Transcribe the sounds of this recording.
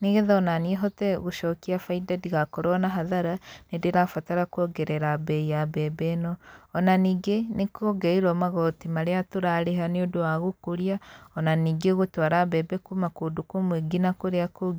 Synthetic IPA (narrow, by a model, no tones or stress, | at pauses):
niɣeðaɔnanieɦɔtɛɣoʃɔkiafaidadiɣakɔɾɔnaɦaðaɾanedeɾafataɾakwɔɡɛɾɛɾabɛiabɛbɛnɔːnaniːɡenekoɡɛiɾɔmaɣɔtimaɾeatoɾaɾeɦaneodoaɣokoɾiaɔnaniːɡeɣotwaɾabɛbɛkumakodokomweɡinakoɾeakoɡ